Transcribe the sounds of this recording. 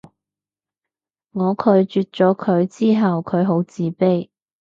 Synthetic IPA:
ŋɔː˨˧kʰɵ˨˧ɥt͡ʃyː˨˧t̚t͡ʃɔː˨˥kʰɵ˨˧ɥt͡siː˥ɦɐ˨wkʰɵ˨˧ɥɦo˨˥wt͡siː˨˧pe˥j

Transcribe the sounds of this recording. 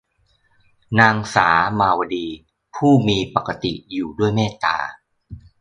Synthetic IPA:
naː˧ŋsaː˩˦maː˧wa˧diː˧ | pʰuː˥˩miː˧pa˨˩ka˧t̪ḭ˨˩juː˨˩du˥˩əjmeː˥˩t̪a̰ː˧

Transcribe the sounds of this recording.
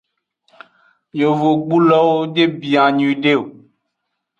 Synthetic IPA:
ɲ˨o˨vo˨ɡ͡bu˦lɔ˦wo˦d͡ʒe˦bi˨a˨ɲ˨ĩ˨ɖe˦˨o˨

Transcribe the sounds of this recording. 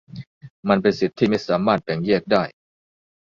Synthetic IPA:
ma˧npe˧nsi˨˩t̪ʰːiː˥˩ma˥˩jsaː˩˦maː˥˩t̪̚bɛ˨˩ŋjɛ˥˩ək̚daː˥˩j

